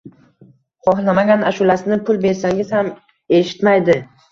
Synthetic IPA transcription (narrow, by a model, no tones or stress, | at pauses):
χɒhlamaɡʲanaʃʊlasɪnɪpʰʊlˠbe̞ɾsaŋʲɪzham | e̞ʃɪ̥t̪majd̪ɪ